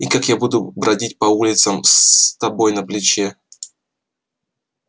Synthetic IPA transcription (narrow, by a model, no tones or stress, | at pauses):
ikakjabud̪ʊbɾʔɐdʲitʲpɐulʲɪt̪səmst̪ɐbo̞jnɐplʲɪt͡ɕe